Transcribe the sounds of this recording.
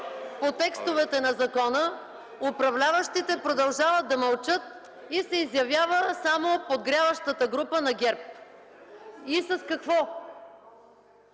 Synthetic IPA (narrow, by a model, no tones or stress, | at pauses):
pot̪ɛkst̪ovɛt̪ɛnɐzɐkɔnə | ʊpɾɐvlʲavəʃt̪it̪ɛpɾod̪ɐlˠʒavət̪̚d̪ɐmɐlˠt͡ʃɤt̪̚ | isɛizjɐvjavəsamopod̪ɡɾʲjavəʃt̪ət̪əɡɾupənɐɡʲɛɾp̚ | isɐskɐkvɔ